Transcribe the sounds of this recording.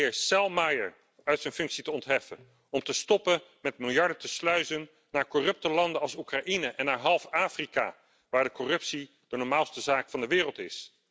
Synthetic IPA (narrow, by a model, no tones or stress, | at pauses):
ɪːɹsɛlˠmajəɹ | œɥtsɛjnfɵŋksitəɔntɦɛfə̰n | ɔmtəstɔpənmɛtmɪlˠjɑɹdətəslœɥzənː | aːɹkɔrɵp̚təlɑndənɑlˠsukraʔinəʔɛnːaːɹɦɑlˠfaːfrika̰ | ʋaːɹdəkɔrɵpsi | d̥ənɔɹmaːlˠstəzaːkfɑndəʋɪːrəlˠtɪs